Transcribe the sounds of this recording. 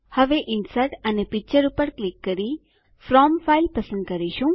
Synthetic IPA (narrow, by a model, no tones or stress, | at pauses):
hɐʋeʔɪnsəɾʈɐnepɪk̚t͡ʃəɾupəɾklɪkːəɾi | fɾɔːmfailpəsə̃nd̪̚kəɾiʃũ